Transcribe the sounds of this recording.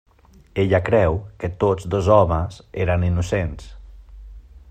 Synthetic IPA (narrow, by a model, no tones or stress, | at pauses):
eʎakɾɛwkət̪od͡zðozɔməzeɾəninusens